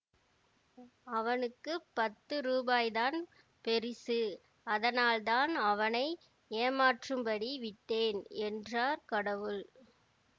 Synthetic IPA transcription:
ɐʋɐnɯkːɯpːɐt̪ːɯɾuːbaːjðaːn | pɛɾɪsɯ | ɐðɐnaːlt̪aːnɐʋɐnɐɪ | eːmaːʈrɯmbɐɽiʋɪʈːeːnɛndraːɾkɐɽɐʋɯɭ

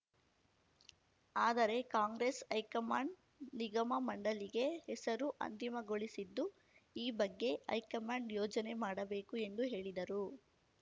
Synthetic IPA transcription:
aːd̪ɐɾe̞kaːŋɡɾesɐjkɐmaːɳɖ | niɡɐmɐmɐɳɖɐliɡe̞hɛsɐɾuʔɐ̰nt̪imɐɡoɭisid̪ːu | iːbɐɡːe̞ɐ̰jkɐmaːɳɖjoːd͡ʒɐne̞maːɽɐbe̞ːkue̞nd̪uɦe̞ːɭid̪ɐɾu

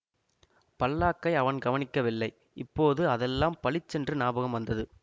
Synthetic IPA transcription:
pɐlːaːkːɐɪɐʋɐnɡɐʋɐnɪkːɐʋɪlːɐɪ | ɪpːoːðɯɐðɛlːaːmpɐɭɪt͡ʃːɛndrɯnaːbɐɣɐmʋɐnd̪ɐðɯ

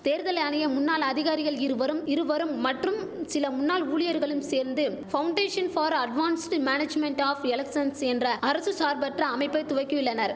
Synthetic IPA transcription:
t̪eːɾðɐlɐjaːnɐjɐmʊnːaːlɐðɪɣaːɾɪɣɐɭɪɾɯʋɐɾɯmɪɾɯʋɐɾɯmːɐʈrɯmsɪlɐmʊnːaːluːɭɪjɐɾɣɐɭɯmseːɾnd̪ɯfɐwʊɳɖeːʂɐnfaːɾɐɖʋaːnsʈmaːned͡ʒmɛɳʈaːfɛlɐksɐnsɛndrɐɐɾɐsɯsaːɾbɐʈrɐːmɐɪpːɐɪt̪ʊʋɐɪkːɯʋɪɭːɐnɐɾ

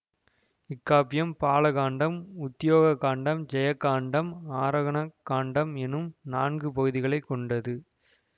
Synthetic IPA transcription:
ɪkːaːpːɪjɐmpaːlɐɣaːɳɖɐmʊt̪ːjoːɣɐkːaːɳɖɐmd͡ʒɛjɐkːaːɳɖɐmaːɾɐɣɐɳɐkːaːɳɖɐmɛnɯmnaːnɡɯpɐɣɯðɪɣɐɭɐɪkːɔɳɖɐðɯ

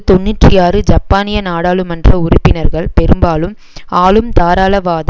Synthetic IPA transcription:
t̪ɔnːɪʈrɪjaːɾɯd͡ʒɐpːaːnɪjɐnaːɽaːɭɯmɐndrɐʊrʊpːɪnɐɾɣɐɭpɛɾɯmbaːlɯm | aːlɯmt̪aːɾaːlɐʋaːðɐ

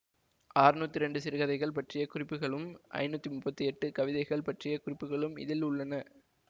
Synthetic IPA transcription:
aːrɯnuːt̪ːɪɾɛɳɖɯsɪɾɯɣɐðɐɪɣɐɭpɐʈrɪjɐkʊrɪpːɯɣɐɭɯmʔɐ̰ɪnuːt̪ːimʊpːɐt̪ːiɛʈːɯkɐʋɪðɐɪɣɐɭpɐʈrɪjɐkʊrɪpːɯɣɐɭɯmɪ̰ðɪlʊɭːɐnɐ

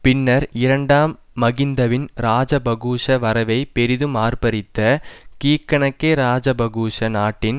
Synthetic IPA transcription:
pɪnːɐɾɪɾɐɳɖaːmː | ɐɣɪnd̪ɐʋɪnɾaːd͡ʒɐbɐɣuːʂɐʋɐɾɐʋɐɪpɛɾɪðɯmaːrpɐɾɪt̪ːɐkiːkːɐɳɐkːeːɾaːd͡ʒɐbɐɣuːʂɐnaːʈːɪn

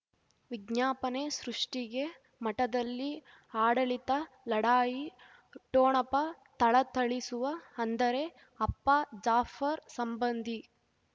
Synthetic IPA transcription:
ʋiɡɲaːpɐnesɾuʂʈiɡe̞ | mɐʈɐd̪ɐlːi | aːɽɐɭit̪ɐ | lɐɽaːji | ʈoːɳɐpɐ | t̪ɐɭɐt̪ɐɭisuʋɐɐnd̪ɐɾe̞ | ɐpːɐd͡ʒaːfɐɾsɐmbɐnd̪ʱi

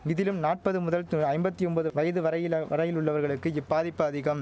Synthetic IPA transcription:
ɪðɪlɯmnaːʈ̚pɐðɯmʊðɐlt̪ɐɪmbɐt̪ːiɔnbɐðɯʋɐjɐðɯʋɐɾɐjɪʋɐɾɐjɪlʊɭːɐʋɐɾɣɐɭɯkːɯɪpːaːðɪpːɐɐːðɪɣɐm

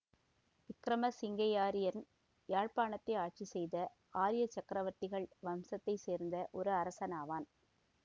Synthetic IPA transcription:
ʋɪkɾɐmɐsɪŋɡɐjaːɾɪjɐɾn | jaːɻpaːnɐt̪ːɐɪaːʈ̚t͡ʃisɛjðɐ | aːɾɪjɐt͡ʃːɐkɾɐʋɐɾt̪ɪɣɐɭʋɐmsɐt̪ːɐɪseːɾnd̪ɐʔɔɾɯɐɾɐsɐnaːʋaːn

